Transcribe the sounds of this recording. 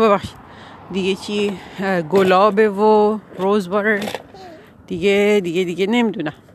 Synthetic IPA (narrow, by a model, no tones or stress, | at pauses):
babaʃ | d̪iɡet͡ʃiɡolɔbeʋoɹozbɔɾ | d̪̥iɡed̪iɡed̪iɡenemd̪una